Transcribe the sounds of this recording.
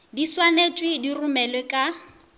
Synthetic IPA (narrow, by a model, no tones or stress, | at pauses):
diswanet͡ʃʼwidirumɛlwekʼa